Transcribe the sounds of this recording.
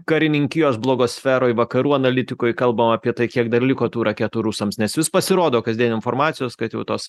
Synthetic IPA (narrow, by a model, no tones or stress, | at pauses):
kɐɾʲɪnʲɪŋʲkʲɪjoːsblˠoːɡoːsʲfʲæːɾoːɪʋɐkɐɾuːɐnɐlʲɪt̪ʲɪkoːjkɐlˠbɐmɑːpʲiɛt̪ɐɪkʲiɛkd̪ɐrlʲɪkoːt̪uːɾɐkʲeːt̪uːɾusɐmsnʲɛsʋʲɪspɐsʲɪɾoːd̪oːkɐzd̪iɛnɪnfoːɾmɑːt̪sʲɪjoːskɐt̪jɛʊt̪oːs